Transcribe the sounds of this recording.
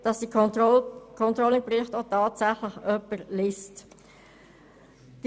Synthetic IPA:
d̥ɑsdi | kʰɔntɾoɔlɪpɾɪχtotɑːtsæχləχœpːəɾlɪst | d̥i

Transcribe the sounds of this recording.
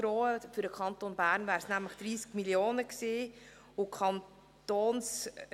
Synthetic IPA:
ɾoːəfyɾdəkʰχɑnt̪onbæːɾnvæːɾsnæmləχd̥ɾiːskmiljoːnəksiː | ʊkʰɑn | toːns

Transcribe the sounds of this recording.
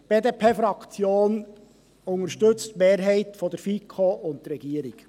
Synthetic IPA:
b̥eːd̪eːpʰeːfɾɑkt͡sjoːn | ʊŋəɾʃtɵt͡st̪meːɾɦɛɪtfɔd̪əɾfikʰoʊnt̪ɾɛɡiːəɾik

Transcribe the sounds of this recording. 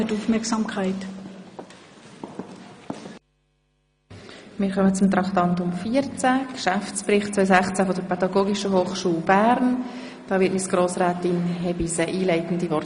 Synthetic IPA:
ətuːfmɛksɑmkʰaɪt | mɪːɾkœmət͡sʊmt̪ɾɑkt̪ɑntʊmfiːəɾt͡sækʃæft͡sprɪχtt͡sʋœʏsæχt͡sæfɔdəɾpʰɛdɑɡoːɡiʃəɦoːχʃuːlbæːɾn | d̥ɑːʋɪːtmisɡ̥ɾoːsɾæːt̪ɪnɦɛbisəʔiːlɛɪtən̩d̪ivɔɾ

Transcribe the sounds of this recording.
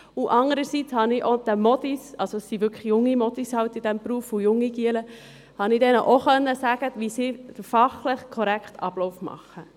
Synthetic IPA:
uʔɑŋəɾəsit͡shɑniʔod̪̥ɛmɔdisɑlsosːivʏkχjʊŋːimɔdishɑwtid̥ɛmpɾuəfujʊŋːiɡiələ | hɑnid̥ɛnəʔɔχœnːəsæːɡ̥əʋisidəfɑχləχkʰɔɾækʰtɑb̥lɔʊfmɑ̰χə

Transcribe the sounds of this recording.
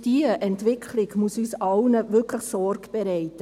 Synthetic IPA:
d̥iəʔɛntʋɪkʰlɪɡmuəsyːsɑlnəvʏkʰləχsɔɾɡb̥ɛɾɛɪtə

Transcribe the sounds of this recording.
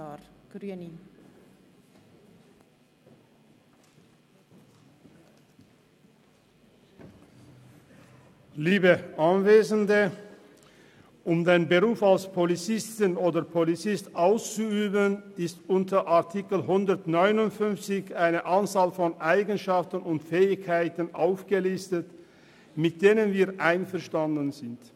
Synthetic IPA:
ɡ̥n | liːbəʔanveːzəndə | ʔʊmd̪aɪnbəʁuːfalspʰɔlit͡sɪstɪnoːdɐpʰolit͡sɪstʔaʊst͡suyːbənɪstʔʊntəʔaɐtʰɪkl̩ɦʊndɐtnɔʏnʊntfʏnft͡sɪçaɪnəʔant͡saːlfɔnʔaɪɡn̩ʃaftən̩ʊntfɛːɪçkʰːaɪtn̩ʔaʊfɡ̥əlɪstət | mɪt̚d̥eːnənviːɐʔaɪnfɛɐʃtandən̩zɪnt

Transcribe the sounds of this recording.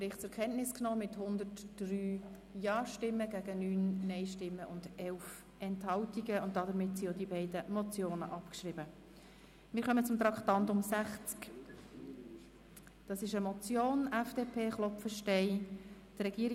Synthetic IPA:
pɾɪχt͡sʊɾkʰɛntnɪsknɔːmɪthʊnd̪ərtːryː | jɑːʃtɪmːəɡæɡənyːnːɛɪʃtɪmːəʔʊndɛlf | ʔɛnthɑltiɡəʊnt̚d̥ɑdəɾmɪtsiod̪ibɛɪdəmɔt͡sjoːnəʔɑpkʃrɪbə | mɪːɾχœmət͡sʊmt̪ɾɑktɑntʊmsæχt͡sk | d̥ɑsɪʃəmɔt͡sjoːnɛfd̥epʰeːχlɔpfəʃtɛɪd̥rɛɡ̥iːəɾi

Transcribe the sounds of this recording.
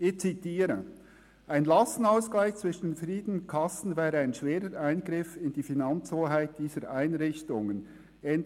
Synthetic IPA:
ɪçt͡sitiːɾə | ʔaɪnlɑsn̩aʊsklaɪçt͡svɪʃn̩fʁiːd̥ən̩ʊnt̚kʰɑsn̩vɛːɾəaɪnʃveːɾəɾʔaɪnɡɾɪfɪnd̥iːfinɑnt͡shoːɦaɪt̚d̥iːzəɾʔaɪnɾɪçtʊŋən | ɛnd

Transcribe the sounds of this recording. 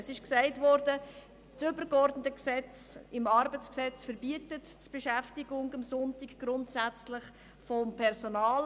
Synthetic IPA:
sɪʃksæɪtvɔɾdə | t͡sʏbəɾɡɔɾdnətəksɛt͡sɪmɑɾbət͡sksɛt͡sfəɾbiətətt͡sb̥eʃæftiɡʊŋəmsʊntikɡ̥ɾʊntsæt͡slɪχ | fɔmpʰɛɾzonɑːl

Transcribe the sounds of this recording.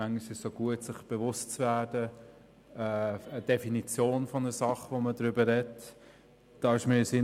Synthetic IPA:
æŋiʃəsoɡ̥uətsɪχb̥evʊstt͡svæːdəː | əd̥efinit͡sjoːnfɔnəsɑχʋomədɾʏbəɾɛt | d̥ɑːɪʃmɪsɪ

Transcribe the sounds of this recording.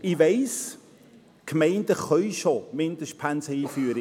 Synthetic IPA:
ɪʋɛɪs | kʰmɛɪnd̥əχœʏʃomɪnd̥əʃt̚pʰænsəiːfyːɾə

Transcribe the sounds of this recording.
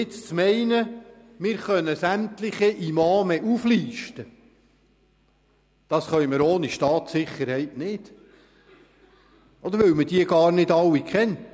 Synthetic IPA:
ɪt͡st͡smɛɪnə | mɪːɾχœnəsæmt̪lɪχiʔimɑːmɛʔufliːʃtə | d̥ɑsχœjməɾoːniʃtɑːt̪sɪχːəɾhɛɪtnɪːt | ɔd̥̪əɾʋɪwməd̥iəɡ̥ɑːɾnɪdɑwːikʰχɛn

